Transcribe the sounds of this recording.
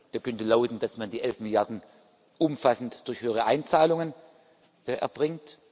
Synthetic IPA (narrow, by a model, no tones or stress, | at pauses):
d̥eːɐkʰœntəlaʊtn̩d̥asmandiːʔɛlfmɪljaɐdn̩ | ʔʊmfasn̩td̥ʊɐçhøːəʁ̞əʔaɪnt͡saːlʊŋən | ʔɛ̰ɐb̥ʁɪŋt